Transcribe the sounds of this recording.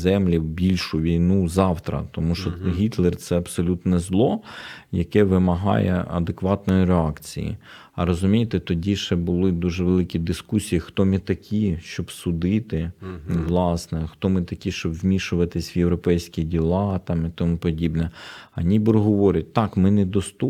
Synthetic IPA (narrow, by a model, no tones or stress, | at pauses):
zɛmlʲiwbʲilʲʃʊʋʲijnuzɑwt̪ɾɐ̰t̪ɔmuʃt͡ʃɔɦʲit̪lˠɛrt̪sɛɐbsɔlʲut̪nɛzlˠɔjɐkɛʋɪmɐɦɑ̰jɛ̰ɐ̰d̪ekʋɑt̪nɔjiɾeɑkt͡sʲḭjḭ | ɐɾɔzʊmʲijet̪ɛt̪ɔdʲiʃɛbʊlˠɪd̪uʒɛʋelˠɪkʲid̪ɪskusʲijixt̪ɔmɪt̪ɐkʲʰiʃt͡ʃɔbsʊd̪ɪt̪ɪʋlˠɑsnɛxt̪ɔmɪt̪ɐkʲiʃt͡ʃɔbʋmʲiʃʊʋɐt̪ɪsʲʋjewɾɔpɛjsʲkʲidʲilˠɑt̪ɑmit̪ɔmupɔdʲibnɛɐnʲibɪɾɦɔʋɔɾʲɪt̚ʲt̪ɑkmɪnɛd̪ɔst̪u